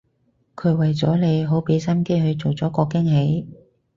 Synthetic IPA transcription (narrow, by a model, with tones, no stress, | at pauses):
kʰɵ˨˧ɥwɐ˨jt͡sɔ̰ː˨˥le˨˧jɦo˨˥wpe˨˥jsɐ˥nke˥jɦɵ˨˧ɥt͡so˨wt͡sɔː˨˥kɔː˧kɪ˥ŋɦe˨˥j